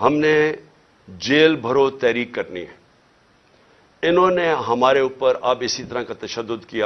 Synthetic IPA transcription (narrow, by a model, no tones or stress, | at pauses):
ɦɐmne | d͡ʒeːlbʱɐɾot̪ɛːɾiːkːɐɾnḭɦɛ̃ː | ɪnɦõːneɦɐmaːɾeuːpəɾɐbɪsit̪ɐɾãkat̪ɐʃəd̪ːʊd̪kija